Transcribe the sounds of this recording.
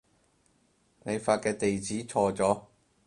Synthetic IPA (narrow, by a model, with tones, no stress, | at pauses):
ne˨˧jfaː˧t̚kɛː˧t̪e˨jt͡siː˨˥t͡sʰɔː˧t͡sɔː˨˥